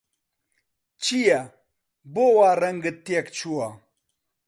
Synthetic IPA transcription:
t͡ɕija | bowaːɾɐŋɡət̪ːjekt͡ɕʰuwa

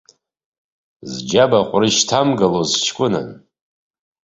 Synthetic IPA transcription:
zd͡ʒabaqʷʼrɨʃtʰamɡalozt͡ʃʰkʷʼʊna̰n

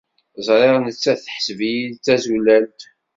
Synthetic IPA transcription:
zˤɾˤeʁnt͡sːæθħə̥svijilt͡sːæzulælt̪

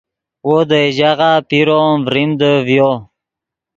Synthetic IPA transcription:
wod̪əiʑaʁapiɾomvɾimd̪əvjo

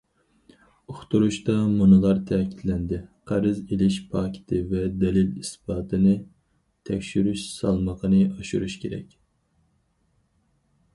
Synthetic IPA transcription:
uχt̪uɾuʃt̪ɑmunɨlˠɑɾt̪ʰɛːkʲʰid̪lɛnd̪ɪqʰæɾɨzelɪʃpʰɑːkʲʰɪ̥t̪ʰɪvɛd̪ɛlɪlisbɑːt̪ʰɨnɨ | t̪ʰɛkʲʃyɾyʃsɑ̰lˠməqənɨɑʃuɾuʃkʲʰeɾɛ̰kʲ

